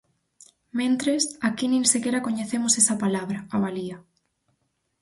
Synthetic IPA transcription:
mẽnt̪ɾesakinĩnsekeɾakoɲeθemʊsesɐpalaβ̞ɾɐaβaliɐ

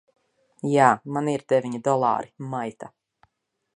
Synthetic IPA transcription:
jaːmaniɾd̪̥evʲiɲid̪ɔlˠa̰ːɾimajt̪a

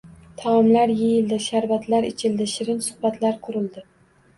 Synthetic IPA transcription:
t̪ʰɒɒmlaɾjejɪld̪ɪʃaɾvat̪ʰlaɾɪt͡ʃʰɪld̪ɪʃɪɾɪnsʊ̥hbat̪ʰlaɾqʰʊɾɪld̪ɪ

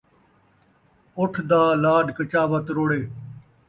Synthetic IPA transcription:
ʊʈʰd̪aːlaːɖkət͡ʃaːʋət̪ɾoːɽeː

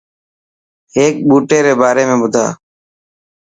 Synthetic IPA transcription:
ɦeːk̚ɓuːʈeːɾeːbaːɾeːmẽːɓʊd̪ʱa̰ː

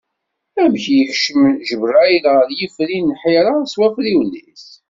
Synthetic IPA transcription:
æmçjəçʃəmʒəvræjlɾjiflinːħiɾaswæfliwlːis

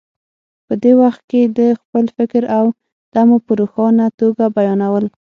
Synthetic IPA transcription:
pəd̪ewaxt̪̚ked̪əxpəlfɪkɾaw | d̪̥amopəɾoxɑnat̪oɡabajɑnawəl

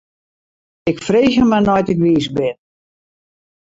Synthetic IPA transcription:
ɪkfreːɣəmanɔjtɪkʋiːsbɪn

